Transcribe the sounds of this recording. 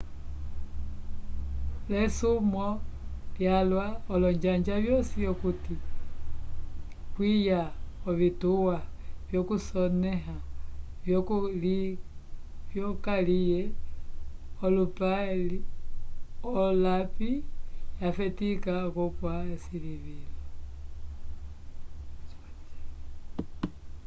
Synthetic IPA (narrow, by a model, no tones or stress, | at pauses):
lɛsumɔljalwaɔlɔɲd͡ʒaɲd͡ʒaβjɔsijɔkuti | kwijaɔβituwavjɔkusɔnɛɦavjɔkuli | vjɔkalijɛ | ɔlupaɛli | ɔlapijafɛtikakɔpwaɛsiliβilɔ